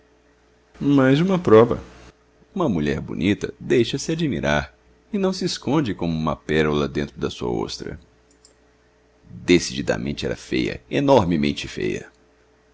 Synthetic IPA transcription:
majzũmɐpɾɔvɐ̰ | ũmɐmuʎɛɾbṵnit̪ɐd̪ejʃɐsɪad͡ʒimiɾaɾ | ɪnɐ̃w̃sɪːskõnd͡ʒɪkõmũmɐpɛɾulɐd̪ẽnt̪ɾʊd̪ɐsuɐ̰o̰st̪ɾɐ̰ | d̪esid͡ʒid̪ɐ̰mẽnt͡ʃɪɛ̰ɾɐ̰fejɐ̰enɔɾmɪmẽnt͡ʃɪfḛjɐ̰

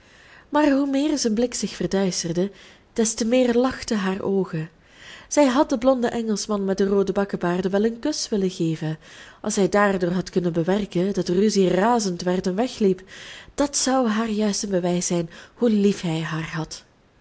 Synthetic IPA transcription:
maːrɦumɪːrzənblɪksɪxfərdœɥstərdə | d̥ɛstəmɪːrlɑxtəɦaːrʔoːɣən | z̥ɛjɦɑt̚dəblɔndəʔɛŋəlˠsmɑnmɛt̚dəroːdəbɑkəbaːrdəʋɛlˠənkɵsʋɪləɣeːvənʔɑ̰lˠsɦɛjdaːrdʊːɹɦɑtkɵnənbəʋɛrkəndɑtryziraːzəntʋɛrtɛnʋɛxlipd̥ɑtsʌwɦaːrjœɥstənbəʋɛjsɛjnhulifɦɛjɦaːrɦɑt

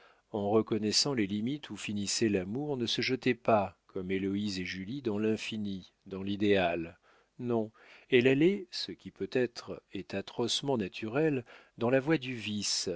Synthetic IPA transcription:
ɑ̃ʁəkɔnɛsɑ̃lelimit̪ʰufinisɛlamuʁnəsəʒət̪ɛpakɔmelɔizeʒylid̪ɑ̃lɛ̃fini | d̪ɑ̃lid̪eal | nɔ̃ | ɛlɛlɛsəkʲipøt̪ɛt̪χɛt̪at̪χɔsmɑ̃nat̪ʰyʁɛld̪ɑ̃lavwad̪yvis

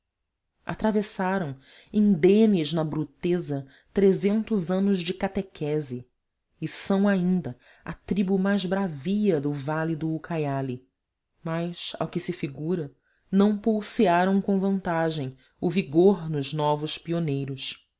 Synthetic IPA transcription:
a̰t̪ɾavesaɾɐ̃w̃ | ĩd̪ẽniznɐbɾut̪ezɐ | t̪ɾezẽnt̪ʊzɐ̃nʊzd͡ʒɪkat̪ekʰɛzɪː | sɐ̃w̃aĩnd̪ɐ | a̰t̪ɾibumajzbɾaviɐd̪ʊvalid̪ʊːkʰajali | majsa̰wkɪsɪfiɡuɾɐ | nɐ̃w̃puwsiaɾɐ̃w̃kõvɐ̃nt̪aʒẽj̃ | ʊviɡoɾnʊʒnɔvʊʃpionejɾʊs

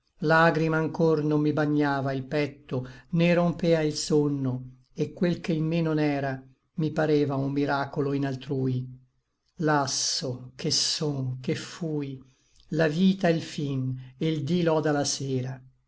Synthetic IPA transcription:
laɡɾimaːŋkornomːibaɲːaːvailpɛt̪ːonerompɛːailsonːo | ekːwelkeimmenonɛːɾa | mipaɾɛːvaumːiɾaːkoloinalt̪ɾuːj | lasːokesoŋkefuːj | laviːt̪aelfineld̪ilɔd̪alaseːɾa

